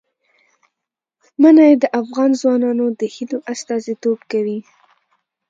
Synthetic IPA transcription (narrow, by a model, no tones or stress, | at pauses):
mənajed̪əʔafɣɑnzwɑnɑnod̪əhid̪oʔast̪ɑzit̪obkawi